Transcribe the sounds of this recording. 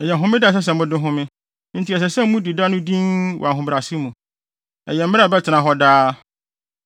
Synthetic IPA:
ɛ˨jɛ˨ɦʊ̃˦mɪ̃˦dɪ˦˨s̬ɛ˦s̬ɛ̃˨m˦ʊ̃˦dɪ̃˦ɦʊ̃˦mɪ̃˦ | n̩˦tʰi˨ɛ˨s̬ɛ˨sɛ̃˦m̩˦mũ˦di˨da˦nʊ̃˦dĩ˦nwʔɔ̰˨a˨ɦʊ̃˨bɾa˨si˦mũ˨ | ɛ̰˨jɛ˨m̩ː˦ɪ˦a˨bɛ˦tʰɪ˨nã˨ɦɔ˦daː˦

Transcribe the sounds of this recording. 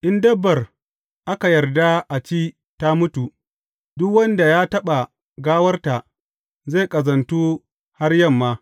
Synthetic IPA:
ʔɪ˦ndɐ˦bːɐ˨r | ʔa˦ka˨jɐ˨rda˦ʔa˨t͡ʃiː˦ | ta˦mʊ˦tu˨ | dʊ˦kwɐ˦nda˨jaː˦tɐ˦ɓa˨ | ɡaː˦wɐ˦rta˨ | ze˦˨kʼɐ˨zɐ˨ntuː˦ | ha˦rjɐ˦˨mːaː˦

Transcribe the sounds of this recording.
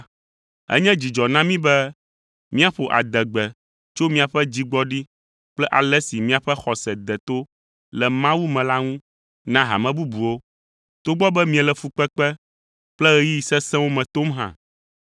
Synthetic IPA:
ɛ̰˦ɲɛ̃˦d͡ʑi˨d͡ʒɔ˨nã˦mĩ˦bɛ˦ | mĩ˦a˨ɸo˨ʔa̰˨d̪ɛ˨ɡ͡bɛ˨ | t͡ʃo˦mĩ˦a˨ɸɛ˦d͡ʑi˦ɡ͡bɔ˦ɖi˦ | k͡plɛ˦ʔa˨lɛ˦si˨mĩ˦a˨ɸɛ˦xɔ˨sɛ˨d̪ɛ˨t̪o˦ | lɛ˨mã˦wu˦mɛ̃˨la˦ŋũ˦ | nã˦ɦa̰˨mɛ̃˨bu˦bu˨wo˦ | t̪o˦ɡ͡bɔ˦bɛ˦mĩ˦ɛ˨lɛ˨fu˨k͡pɛ˦k͡pɛ˦ | k͡plɛ˦ɣɛ˦ji˦i˨sɛ˦sɛ̃˦wo˦mɛ̃˨t̪o˦mɦã̰˨

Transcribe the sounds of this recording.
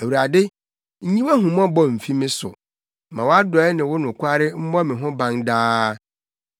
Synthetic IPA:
æ˨wu˨ɾa˨dɪ˦ | ɲ̩˦ɲĩ˦wa˦ɦũ˨m˦ɔ̃˦bɔ˦m̩˨fi˦mɪ̃˦sʊ̰˨ | mã˨wɔ˦a˦dɔ˨˦ɛ˦nɪ̃˨wʊ˦nʊ̃˨kʷʰa˦ɾɪ˦m̩˦bɔ˦mɪ̃˨ɦʊ̃˦bã˦ndaː˦

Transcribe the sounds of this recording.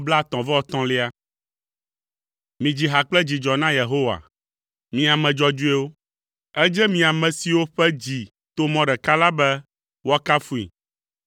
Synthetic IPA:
bla˦˨t̪ɔ̃˨vɛ˦ɔ˨t̪ɔ̃˨˦le˦a˦ | mĩ˨d͡ʑi˨ɦa˨k͡plɛ˦d͡ʑi˨d͡ʒɔ˨nã˦je˨ɦo˦wa̰˨ | mĩ˨a˨mɛ̃˨d͡ʒɔ˦d͡ʒu˦e˦wo˦ | ɛ˦d͡ʒɛ˦mĩ˨a˨mɛ̃˨si˨wo˦ɸɛ˦d͡ʑi˨ | t̪o˦mɔ̃˨ɖɛ˨ka˦la˦bɛ˦ | wo˦a˦ka˦fu˦ḭ˨

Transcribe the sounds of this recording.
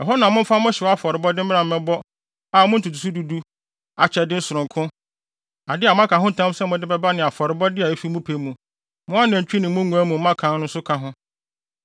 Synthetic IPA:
ɛ˨ɦɔ˦nã˨mʊ̃˦m̩˦fa˦mʊ̃˦ɕɛ˨ɔ˦a˦fɔ˨ɾɪ˨bɔ˦dɪ˦m̩˦mɪ˦ã˨m̩˨mɛ̃˨bɔ˦ | a˨mʊ̃˦n̩˦tʰu˨tʰu˨s̬u˦du˨du˦ | a˨t͡ɕʰɛ˨dɪ˦n̩˦sʊ˨ɾʊ̃˨ŋkʰʊ̃˦ | a˨dɪ˦a˨m˦ã˦kʰã˨ɦʊ˦˨tʰã˦m˦sɛ˦mʊ̃˦dɪ˦bɛ˦ba˦nɪ̃˨a˨fɔ˨ɾɪ˨bɔ˦dɪ˦a˨e˦fi˦mũ˦pʰe˨˦mũ˨ | mʊ̃˦a˦nã˨ɲ˨t͡ɕᶣi˦nɪ̃˨˦mʊ̃˦ŋũ˨æ˦mũ˨m̩˦mã˦kʰã˨˦n˦nʊ̃˦n̩˦sʊ˦kʰa˨ɦʊ̃˦

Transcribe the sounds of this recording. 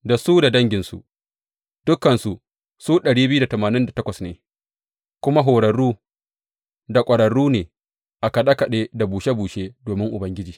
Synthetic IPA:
da˨suː˦da˨dɐ˦ŋɡʲɪ˨nsṵ˨ | d̥ʊ˦kːɐ˨nsu˨ | suː˦ɗɐ˨ɽiː˦bɪ˦u˦da˨tɐ˨maː˨nɪ˦nda˨tɐ˦kʷɐ˨snḛː˨ | kʷʊ˦ma˦ɦoː˨ɽɐ˨ɽuː˦ | da˨kʷʼɐ˨ɽɐ˨ɽuː˦neː˨ | ʔa˨kɐ˨ɗa˦kɐ˨ɗeː˦da˨buː˨ʃe˦buː˨ʃeː˦doː˨mɪ˦ŋʔʊ˨bɐ˦ŋɡʲɪ˦d͡ʒiː˨

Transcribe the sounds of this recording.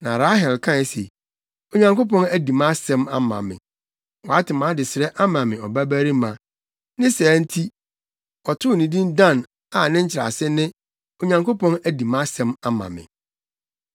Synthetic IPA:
nã˨ɾa˦ɦɛ˨lkʰã˦ɛ˦sḛ˨ | o˨ɲã˨ŋko˦pɔ̃˦næ˦di˨mã˦sɛ̃˦ma˦mã̰˨mɪ̰̃˨ | wɔ˨a˦tɪ˨mãː˨˦dɪ˨sɪ˨ɾɛ˦ʔa˦mã˨mɪ̃˨ɔ˨bæ˦bæ˦ɾi˦mã˨ | nɪ̃˦sɛ˨˦n̩˦tʰi˦ | ɔ˨tʰʊ˦˨nĩ˨dĩ˦ndã˦˨n | a˨nɪ̃˦ɲ̩˦t͡ɕʰɪ˨ɾa̰˨sɪ˦nɪ̃˦ | o˨ɲã˨ŋko˦pʰɔ̃˦næ˨di˨mã˦sɛ̃˦ma˦mã̰˨mɪ̰̃˨

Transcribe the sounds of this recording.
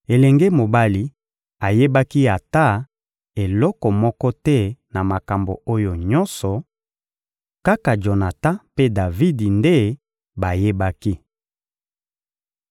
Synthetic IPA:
e˨lɛ˨ŋɡe˦mo˨ba˦li˦ | a˨je˦ba˦ki˦a˨ta˦ | e˨lɔ˦kɔ˨mɔ˦kɔ˦tɛ˦na˨ma˨ka˨mbo̰˨o˦jo˨ɲɔ˦nsɔ˨ | ka˦ka˨d͡ʒo˨na˨ta˦pe˦da˨vi˦di˨nde˦ | ba˨je˦ba˦ki˦

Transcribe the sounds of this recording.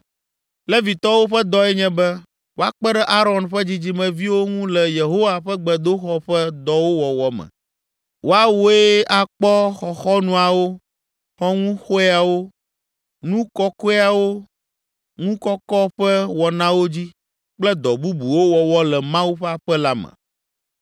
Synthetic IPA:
lɛ˦vi˨t̪ɔ˦wo˦ɸɛ˦d̪ɔ˦ɛ˦ɲɛ̃˦bɛ˦ | wo˦a˨k͡pɛ˦ɖɛ˦ʔa˦ɾɔ˨nɸɛ˦d͡ʑi˦d͡ʑi˦mɛ̃˨vi˦wo˦ŋũ˦lɛ˨je˨ɦo˦wa˨ɸɛ˦ɡ͡bɛ˨d̪o˦xɔ˦ɸɛ˦d̪ɔ˦wo˦wɔ˨wɔ˦mɛ̰̃˨ | wo˦a˦wo˦e˦a˨k͡pɔ˦xɔ˨xɔ˦nũ˦a˨wo˦ | xɔ˦ŋũ˦xo˦e˦a˨wo˦ | nũ˦kɔ˦kɔ˦e˦a˨wo˦ | ŋũ˦kɔ˦kɔ˦ɸɛ˦wɔ˨nã˦wo˦d͡ʑi˦ | k͡plɛ˦d̪ɔ˨bu˦bu˨wo˦wɔ˨wɔ˦lɛ˨mã˦wu˦ɸɛ˦a˨ɸɛ˦la˦mɛ̰̃˨

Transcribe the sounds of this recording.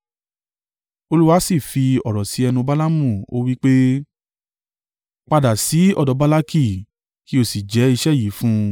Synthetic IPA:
o˧lu˦wa˦si˦˨fi˧ɔ˨ɾɔ˨si˨˦ɛ˧nũ˧ba˦la˦mũ˦˨o̰˦wi˦k͡pe˦ | k͡pa˧da˨si˨˦ɔ̰˧˨dɔ˨˧˦ba˦la˦ki˦˨ | ki˦o˦˨si˨d͡ʒɛ˨˦i˧ʃɛ˦˨ji˨˦fũ˦

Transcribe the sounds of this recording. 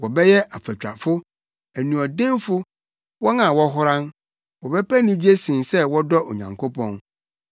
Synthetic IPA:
wɔ˨bɛ˦jɛ˦ʔa˨fæ˨t͡ɕᶣa̰˨fʊ˦ | æ˨nũ˨ɔ˨dɪ̃˦nfʊ˦ | wɔ˦nã˨wɔ˦ɦʊ˦ɾã˦n | wɔ˨bɛ˦pæ˦nĩ˦d͡ʑi˦e˦sɪ̃˨nsɛ˦wɔ˦dɔ˦ʔo̰˨ɲã̰˨ŋkʰo˦pʰɔ̃˦n

